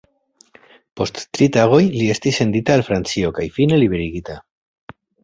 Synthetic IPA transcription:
po̞stːɾitaɣo̞jlie̞stisːe̞nditaːlfɾant͡sio̞kajfine̞liβe̞ɾiɡita

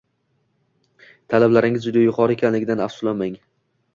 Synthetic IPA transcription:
t̪ʰalablaɾɪŋɪzd͡ʒʊd̪jajʊqʰɒɾɪekʲʰanlɪɡʲɪd̪anafsʊlamaŋ

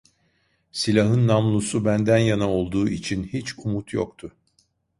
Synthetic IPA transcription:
silʲaɦɯnːamlˠusubænd̪ænjanao̞lˠd̪uːit͡ʃʰinhit͡ʃumut̪ʰjo̰kt̪ʰʊ

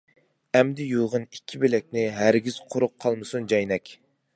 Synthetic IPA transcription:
ɛmd̪ɪjuʁɨnikʲʰːibɪlɛk̚ʲnɪɦæɾɡʲiz̥qʰʊɾʊqʰːɑlˠmɨsund͡ʒɑjnɛkʲ

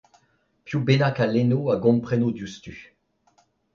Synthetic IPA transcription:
pjubenakalenoaɡɔ̃mpχenod̪ust̪y

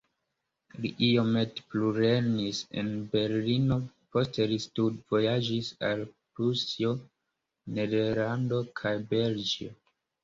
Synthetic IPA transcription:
liʔiome̞tpluɾenisḛnbe̞ɾlino̞po̞ste̞listudvo̞jad͡ʒisalpɾusio̞ | ne̞de̞ɾando̞kʰajbe̞ld͡ʒio

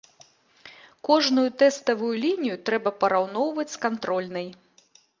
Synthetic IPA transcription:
kɔʐnujut̪ɛst̪ɐvujulʲinʲijut̪ɾɛbɐpɐɾawn̪ɔwvɐt͡sʲskant̪ɾɔlʲnɐj

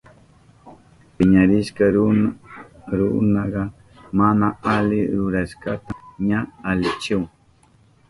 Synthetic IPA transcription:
pɪɲaɾɪʃqɑɾ | ɾʊ̰nɑɢɑ | manaalɪɾʊɾaʃqɑt̪aɲaalɪt͡ʃʊw

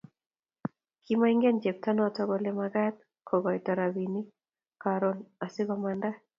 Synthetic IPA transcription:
kimaiŋɡɛnd͡ʒɛp̚tanɔtɔɡɔlɛmaɡat̪̚ | kʰɔɡɔjtɔɾaβini | kaɾɔnasiβamanda

